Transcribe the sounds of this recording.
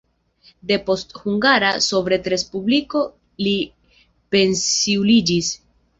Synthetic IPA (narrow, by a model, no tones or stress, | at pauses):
de̞po̞sthuŋɡaɾaso̞vɾe̞tɾe̞spubliko̞ | li | pe̞nsiulid͡ʒis